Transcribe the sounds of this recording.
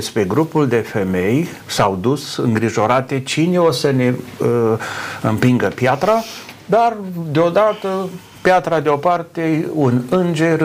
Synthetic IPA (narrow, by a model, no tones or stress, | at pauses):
espɾe̞ɡɾupuld̪e̞fe̞me̞j | sawd̪usɨŋɡɾiʒo̞ɾat̪e̞t͡ʃineosəne̞ | ɨ̰mpiŋɡəpjat̪ɾa | d̪ard̪eo̞d̪at̪ə | pjat̪ɾad̪eopart̪eunɨnd͡ʒe̞r